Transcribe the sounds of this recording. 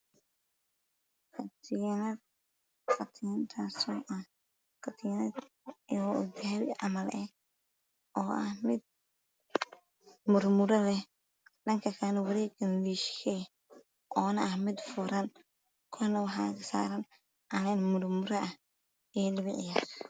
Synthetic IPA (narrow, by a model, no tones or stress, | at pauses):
kʰɐt̪ʰɪjnɐ | kʰɐt̪ʰɪnt̪ʰaːsɔʔɐ | kʰɐt̪ʰɪjn | ɔd̪ɪɛɾʔɑ̰mɐlɛ | ɔːʔɐhmɪd̪̚ | mʊɾmʊɾɐlɛh | ɗɐŋkʰɐkʰaːnɐwɐɾɛːɡɐnliʃkʰɛ | ʔɔːnɐʔɐhmɪd̪fʊɾɐn | kʰɔnɐwɑħɑ̰ːkʰɐsa̰ːɾɐn | ʔɐnɛːnmʊrmʊɾɐʔɐh | ɛːlɪβɪʕɪjaːɾ